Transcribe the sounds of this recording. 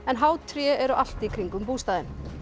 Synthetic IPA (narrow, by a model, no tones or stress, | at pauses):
ɛnɦaːwt̪ʰɾjɛɛɾʏʔal̥t̪ikʰɾiŋkʏmpuːst̪aːðɪn